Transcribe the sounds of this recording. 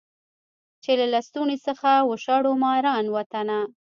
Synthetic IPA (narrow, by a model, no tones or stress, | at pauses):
t͡ʃelalast̪unesəxawəʃɑɽomɑɾɑnwat̪ana